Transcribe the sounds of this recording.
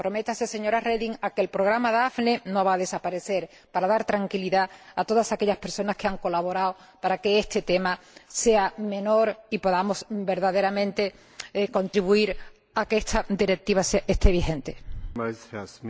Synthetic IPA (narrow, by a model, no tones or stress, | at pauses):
pɾo̞me̞t̪asese̞ɲo̞ɾareðiŋake̞lpɾo̞ɣ̞ɾamaðafne̞no̞βaðe̞sapaɾe̞θe̞ɾ | paɾaðaɾt̪ɾaŋkiliðaat̪o̞ðasake̞ʎaspe̞ɾso̞naske̞aŋko̞laβo̞ɾao | paɾake̞est̪e̞t̪e̞mase̞amẽ̞no̞ɾipo̞ðamo̞sbe̞ɾðaðe̞ɾamẽnt̪e̞ | ko̞nt̪ɾiβuiɾ | akeest̪ʰad̪iɾe̞k̚t̪iβaseest̪eβ̞ihẽ̞nt̪e̞̥